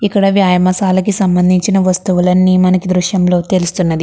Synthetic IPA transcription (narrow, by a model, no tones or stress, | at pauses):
ikːɐɽɐʋjaːjɐmɐsaːlɐkisɐmbɐnd̪ʱiɲt͡ʃinɐʋɐst̪uʋulɐnːiːmɐnɐkid̪ɾuʂjɐmlo̞ːt̪e̞lust̪unːɐd̪i